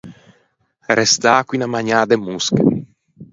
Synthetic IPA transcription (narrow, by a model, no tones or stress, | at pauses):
ɾɛst̪aːkwinamaɲaːd̪emusk